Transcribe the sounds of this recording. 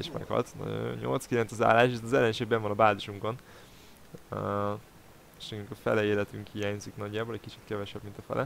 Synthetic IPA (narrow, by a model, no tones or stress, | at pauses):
eʃmɛ̰khɒ̰t̪nɒ̰ɟo̰jo̰ɲɲo̞̰lt̪skilɛnsɒza̰ːlːaːʃʃiznɒzɛlːɛnʃeːɡbɛɱvɒnɒbaːziʃuŋko̞n | eʃnɛɡyŋkɒfɛ̰lɛeːlɛt̪yŋkhijaːɲziknɒɟːaːbolɛckit͡ʃit̪kɛvɛʃɛbmint̪ɒfɛ̰lʔɛ